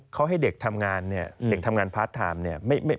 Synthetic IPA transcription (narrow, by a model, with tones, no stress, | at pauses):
kʰa˦˥wɦa˥˩jde˨˩k̚t̪ʰa˧mŋaː˧nːi˥˩ɐde˨˩k̚t̪ʰa˧mŋaː˧npʰaː˦˥t̪ʰːa̰ː˧mni˥˩ɐma˥˩jma˥˩j